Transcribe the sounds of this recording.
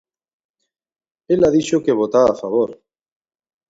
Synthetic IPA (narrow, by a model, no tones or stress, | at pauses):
elaðit͡ʃokeβ̞ot̪aafaβ̞oɾ